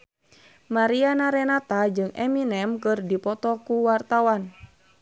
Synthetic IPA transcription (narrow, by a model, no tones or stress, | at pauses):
maɾianaɾɛnat̪ad͡ʒɨŋɛminɛmkɨrdipɔt̪ɔkuwart̪awan